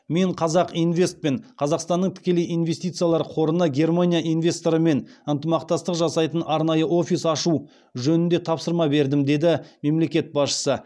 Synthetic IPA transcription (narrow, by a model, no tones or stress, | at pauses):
me̞ɴqʰɑzɑqijnve̞st̪̚pe̞ɴqʰɑzɑqst̪ɑnːəɴt̪ʰɪ̥kʲe̞le̞jʔinve̞st̪ijt̪sɨjalˠɑɾqʰo̞ɾənəɡʲe̞rmanʲijaʔijnvʲe̞st̪o̞ɾəme̞nənt̪əmɑqt̪ɑst̪əqʒɑsɑjt̪ənʔɑɾnɑjəʔo̞fʲisɑʃu | ʒɵnɪnd̪e̞t̪ʰɑpsəɾmɑbe̞ɾd̪ɪmd̪e̞d̪ɪme̞mle̞kʲe̞t̪̚bɑsʃə̥sə